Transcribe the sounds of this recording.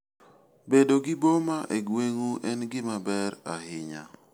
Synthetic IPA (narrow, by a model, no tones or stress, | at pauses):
bedoɡɪbomaʔeɡweŋuʔɛnɡɪmabɛɾahɪɲa̰